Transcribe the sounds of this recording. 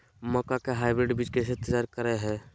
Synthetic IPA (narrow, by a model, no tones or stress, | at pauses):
məkakeɦaːɪbɾeɖbid͡ʒkes̬et̪ːəd͡ʒaːɾkəɾɛɦɛ